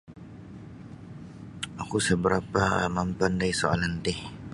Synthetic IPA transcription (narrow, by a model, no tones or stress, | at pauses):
akusəbəɾapamampandaisoa̰lant̪ɪh